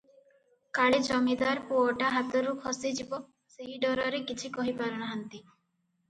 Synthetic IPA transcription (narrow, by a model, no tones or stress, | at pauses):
kaɭed͡ʒɔmid̪aɾpuɔʈaɦat̪ɔɾukʰɔsid͡ʒibɔ | seɦiɖɔɾɔɾekit͡ʃʰikɔɦipaɾɔnaɦant̪i